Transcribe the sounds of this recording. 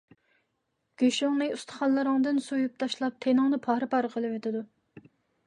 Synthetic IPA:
ɡ̥ʲøʃoŋnɨust̪ʰə̥χɑnlˠɨɾəŋd̪ɨnsujup̚t̪ʰɑʃlˠɑp̚t̪ʰenɨŋnɨpʰɑːɾɨpɑɾəqʰəlˠɨwet̪ʰɪd̪u

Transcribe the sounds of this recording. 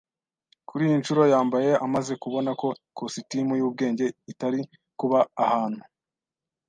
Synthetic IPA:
kuɾiːjint͡ʃuɾo̞jaːmbaje̞amaze̞kuβo̞nako̞ | kositimujuːbɡe̞ːɲɟeitaɾi | kuβaːhaːn̥hu

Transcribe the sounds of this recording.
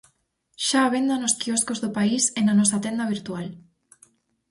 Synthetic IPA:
ʃaːβend̪anoskiɔskozðopaisenanɔsat̪end̪aβ̞iɾt̪ual

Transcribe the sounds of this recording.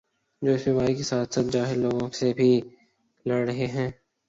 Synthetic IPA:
d͡ʒoːɪst̪ɪmaːikesaːt̪saːt̪̚d͡ʒaːɦɪllːoːɡõsebʱi | lɐɽɾɐɦeɦɛ̃ː

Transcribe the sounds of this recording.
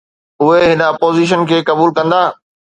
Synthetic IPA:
ʊɦeɦɪnəɐpoːziʃ̬ənkʰeːkɐbuːlkɐ̃nd̪aː

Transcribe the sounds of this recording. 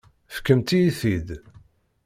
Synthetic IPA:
fə̥kːəmt̪ijiθid̪

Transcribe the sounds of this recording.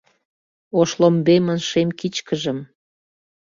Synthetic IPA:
oʃlombemənʃemkit͡ɕkəʒəm

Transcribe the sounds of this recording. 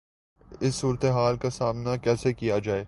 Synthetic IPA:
ɪsːuːɾət̪eɦaːlkasaːmnakɛːsekijad͡ʒaːeː

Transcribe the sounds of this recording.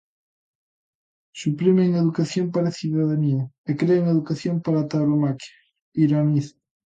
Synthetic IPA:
supɾimeŋeðukaθjompaɾaθuðaðaniaekɾeeŋeðukaθjompaɾat̪aɾomakjḁ | iɾaniθ

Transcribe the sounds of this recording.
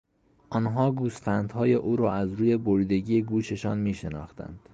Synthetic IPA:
ʔɒːnɦɒːɡuːsfænd̪hɒːje̞ʔuːɾɒːæzɾuːje̞boɾiːd̪e̞ɟijeɡuːʃe̞ʃɒ̰ːnmiːʃe̞nɒ̰ːxt̪æ̰nd̪̥

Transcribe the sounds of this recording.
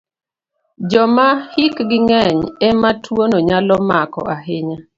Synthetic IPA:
d͡ʒɔmahikɡɪŋɛɲɛmatʰwonoɲalɔmakɔ̰ʔaɦɪɲa

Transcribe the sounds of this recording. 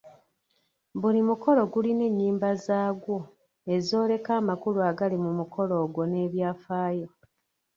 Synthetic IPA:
bulimuko̞lo̞ɡuline̞ɲːiːmbazaːɡwo̞ | e̞zo̞ːle̞kaːmakuluaɡalimumukʰo̞lo̞ːɡwo̞ne̞ːβjaːfaːjo̞

